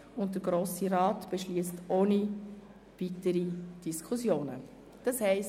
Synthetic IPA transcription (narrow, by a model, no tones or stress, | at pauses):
ʊnt̚dəɾɡɾoːsiɾɑːtb̥ɛʃliəstʔoːni | v̥itəɾid̥iskʰʊsjoːnə̰ | d̥ɑshɛɪs